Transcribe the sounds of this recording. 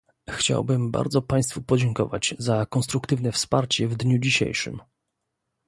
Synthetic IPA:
xt͡ɕa̰wbɘmba̰ɾd̪zɔpaj̃st̪fupɔd͡ʑɛŋkɔ̰vad͡ʑzakɔnst̪ɾukt̪ɘvnɛfspaɾt͡ɕɛvd̪ɲud͡ʑiɕḛjʂɘ̰m

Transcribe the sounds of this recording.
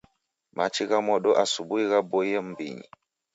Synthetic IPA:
ma̰t͡ʃiɣamɔɗɔʔasubuiɣabojəmbḭɲḭ

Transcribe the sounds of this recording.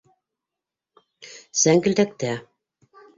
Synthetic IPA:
sæŋkɘ̆lt̪æk̚t̪æ

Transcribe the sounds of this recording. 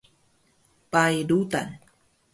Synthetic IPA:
pajdut̪a̰n

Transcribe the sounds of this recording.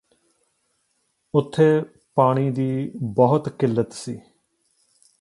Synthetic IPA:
ʊt̪ʰːeː | paːɽ̃iːd̪iːbɔɦʊt̪kɪlːət̪siː

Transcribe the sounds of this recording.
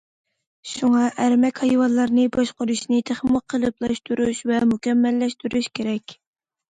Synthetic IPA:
ʃuŋɑʔæɾmɛkʲhɑjwɑnlˠɑɾnɨbɑʃqʊɾuʃnɨt̪ʰeχməqʰːəlˠɨplˠɑʃt̪ʰuɾuʃvɛmukʲɛmːɛlːɛʃt̪yɾuʃkʲeɾɛkʲ

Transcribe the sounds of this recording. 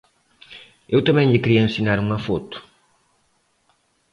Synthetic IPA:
ewt̪ɐmɛ̃ɲʎɪkɾiɐẽnsinaɾuŋɐfɔt̪ʊ̥

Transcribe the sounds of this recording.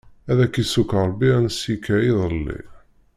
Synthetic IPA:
æðækisukɾˤbːiænəsikːæiðˤəlːḭ

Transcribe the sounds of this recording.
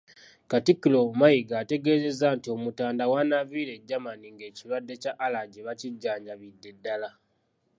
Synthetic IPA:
katikːilomajiɡaːte̞ɡe̞ːze̞zaːntio̞mutaːndawanaviɾe̞ɟːamaniŋɡe̞ːcilwadːe̞caʔːlaɟeβaciɟːaːɲɟaβidːe̞dːala

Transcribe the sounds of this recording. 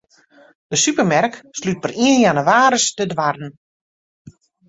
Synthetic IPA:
d̥əsypəmɛrkslyt̚pəriənjanəʋaːɾəstədʋarən̩

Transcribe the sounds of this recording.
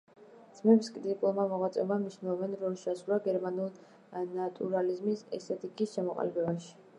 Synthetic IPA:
d̪z̥mɛpskʼɾit̪ʼikʼulˠmamɔʁwat̪sʼɛmamniʃnɛlˠɔvɛnɾɔlʃasulˠaɡɛɾmanulˠ | nat̪ʼuɾalizmisɛ̰st̪ʰɛt̪ʼikʼisʃamɔqʼa̰lɛbɛbaʃi̥

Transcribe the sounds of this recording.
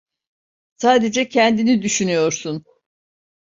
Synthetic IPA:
saːd̪ed͡ʒɛcʰɛnd̪inid̪yʃynyjo̞ɾsun

